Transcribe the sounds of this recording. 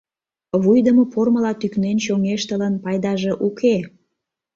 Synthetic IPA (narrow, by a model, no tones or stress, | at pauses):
βujd̪əmoporməlɑt̪yknent͡ɕoŋeʃt̪ələnpɑjd̪ɑʒeʔukʰe